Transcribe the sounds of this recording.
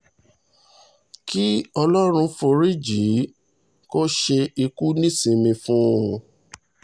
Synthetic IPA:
ki˦ɔ˧lɔ˦ɾ̃ũ˧fo˧ɾi˦d͡ʒi˨˦ | ko˦ʃe˧i˧ku˦nĩ˦˨sĩ˧mĩ˧fũ˦˨˧

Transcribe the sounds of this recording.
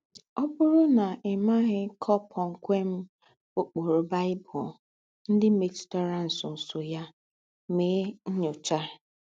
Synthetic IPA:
ɔ˦bʊ˦ɾʊ˦na˨ɪ˨ma˦ɣɪ˦kʰɔ˦pʰɔ˨ŋ̩˨kʷe˦m̩˦ | ʊ˦k͡po˨ɾʊ˨ba˦ɪ˦bʊ̰˨ | n̩˦dɪ˦me˨t͡ʃʊ̥˨tɔ˦ɾa˦n̩˨sʊ˨n̩˨sʊ˨ja˦ | me˨˦ɲo˨t͡ʃa˦˨

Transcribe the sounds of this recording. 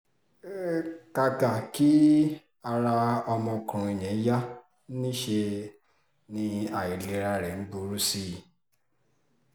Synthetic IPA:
ka˧ka˨ki˦ | a˧ɾa˧ɔ˧mɔ̃˧kũ˨i˨j̃ɛ̃˨˦ja˦ | nĩ˦ʃe˧ | nĩ˧a˨ji˨le˧ɾa˧ɾɛ˨n̩˦ɡ͡bu˧˦ɾu˦si˦˨

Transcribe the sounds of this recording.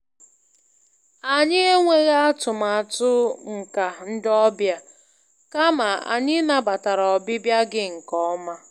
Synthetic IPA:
a˨ɲɪ˦e˦ŋʷe˦ɣa˦a˦tʊ˨ma˨tʊ˦ŋ̩˨ka˨n̩˦dɔ˦bja˦ | ka˦ma˨a̰˨ɲɪ˦na˦ba˨ta˨ɾɔ˨bɪ˦bja˦ɡɪ˦ŋ̩˨kɔ˦ɔ˦ma˦

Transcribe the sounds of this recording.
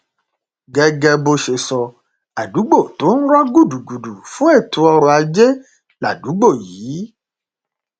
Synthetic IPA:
ɡɛ˨ɡɛ˧bo˧ʃe˨sɔ˨ | a˨du˨˦ɡ͡bo˦˨t̪o˨˦ñ̩˦ɾɔ˦ɡu˦˨du˨ɡu˨du˨fũ˦e˦˨tu˧ɔ˧ɾo˧a˧d͡ʒe˦ | la˨du˨˦ɡ͡bo˦˨jiː˨˦

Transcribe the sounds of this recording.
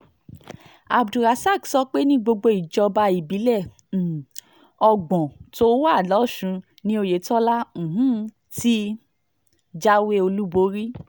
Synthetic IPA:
a˧bdu˨ɾa˨˧˦sa˦˨ɡsɔ˦k͡pe˦nĩ˦ɡ͡bo˧ɡ͡bo˧i˨d͡ʒɔ˧ba˧i˨bi˨˦lɛ˦˨ | ɔ˧ɡ͡bɔ̃˨to˦wa˦˨lɔ˨˦˨ʃũ˧ | nĩ˦o˧je˨˦tɔ˦lã˦˨ɦũ˦ | ti˦ | d͡ʒa˦we˦o˧lu˦bo˦ɾi˦

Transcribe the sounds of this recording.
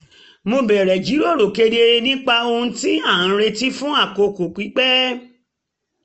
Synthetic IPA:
mo˧bɛ˨ɾɛ˨d͡ʒi˨˦ɾo˦˨ɾo˨ke˧ɾi˦˧e˧ɾe˧nĩ˦k͡pa˧o˧hũ˧ti˦a˦˨ã˨˧˦ɾe˧ti˦fũ˦a˦˨ko˧ko˨k͡pi˨˦k͡pɛ˦

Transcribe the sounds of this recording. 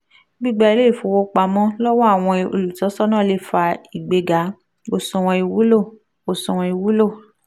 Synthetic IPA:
bi˦˨ɡ͡ba˧i˧le˦˨fo˨˧wo˧k͡pa˧mɔ̃˦lɔ˦wɔ˦a˦˨w̃ɔ̃˧o̰˧lu˨tɔ˨˦sɔ˦nã˦˨le˦˨fa˧i˨ɡ͡be˧ɡa˨˦ | o˧sɔ̃˧w̃ɔ̃˧i˧wu˨˦lo˦˨ | o˧sɔ̃˧w̃ɔ̃˧i˧wu˨˦lo˦˨

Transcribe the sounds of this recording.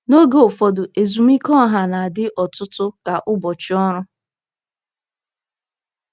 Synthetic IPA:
no˦ɡe˦˨o˨fɔ˨dʊ˨ʔe˨zu˨mi˦kɔ˦˨ɦa˨na˨a˨dɪ˦ʔɔ˨tʊ˦tʊ˦ka˨ʔʊ˦bɔ˨t͡ʃi˦ɔ˦ɾʊ˦

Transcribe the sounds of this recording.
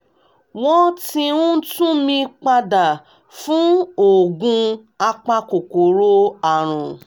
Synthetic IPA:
w̃ɔ̃˦ti˧ũ˦tũ˦mĩ˧k͡pa˧da˨ | fũ˨˦o˦˨ɡũ˧ | a˧k͡pa˧ko˨ko˨ɾo˦a˨ɾ̃ũ˨

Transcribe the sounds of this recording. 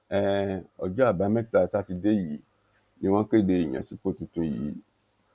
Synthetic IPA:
ɛ˨ɔ̰˨d͡ʒɔ˦a˨ba˨˦mɛ̃˦ta˨sa˦ti˨de˦ji˨ | nĩ˨wã˦ke˦˨de˦˨ji˨ɲã̰˨si˦po˦˨tũ˨tũ˦˨jḭ˨˦

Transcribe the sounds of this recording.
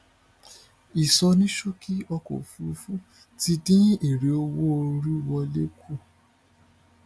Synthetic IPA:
i˨sɔ˧nĩ˦ʃo˦kʰi˦ɔ˧ko̰˨fu˨˦fu˦ | ti˧dĩ˦e˨ɾe˨˦o˧wo˦o˧ɾu˦wɔ˧le˦kʰu˦˨

